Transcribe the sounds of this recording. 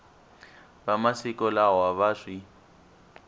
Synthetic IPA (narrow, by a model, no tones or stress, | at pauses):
βamasikɔlawaβaʂi